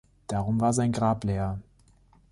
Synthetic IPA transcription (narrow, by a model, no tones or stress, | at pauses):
d̥aʁʊmvaːɐzaɪnɡʁaːpleːɐ